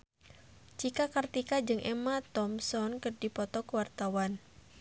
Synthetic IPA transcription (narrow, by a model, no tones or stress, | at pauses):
t͡ʃikakərt̪ikad͡ʒɨŋʔɛmat̪ɔmsɔnkɨrdipɔt̪ɔkəwart̪awan